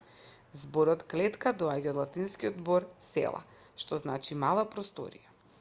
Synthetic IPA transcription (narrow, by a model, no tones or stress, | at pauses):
zboɾɔt̪klɛt̪kad̪ɔaɟaɔd̪lˠat̪inskiɔd̪boɾsɛ̰lˠa̰ | ʃt̪ɔznat͡ʃimalˠapɾɔst̪ɔ̰ɾḭja